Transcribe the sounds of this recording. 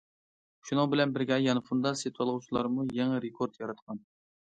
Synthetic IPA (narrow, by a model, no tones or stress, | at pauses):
ʃunɨŋbɪlɛnbɪɾɡʲɛjɑnɨfund̪ɑset̪ʰwɑlˠʁut͡ʃʰilˠɑɾmujɛŋɛɾekʰoɾt̪jɑɾɑt̪qɑn